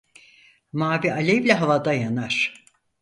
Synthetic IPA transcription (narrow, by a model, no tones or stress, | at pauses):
maːbialʲevlʲɛɦavad̪ajanaɾ̥